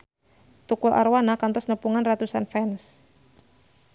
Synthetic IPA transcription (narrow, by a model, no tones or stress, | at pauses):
t̪ukulʔa̰rwanakant̪ɔsnəpuŋanrat̪usanfɛns